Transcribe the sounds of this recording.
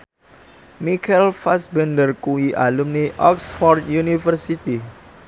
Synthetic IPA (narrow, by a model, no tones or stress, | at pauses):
mikʰɛlfasbɛndərkuiʔalumniʔɔksfɔrt̪̚junifərsit̪i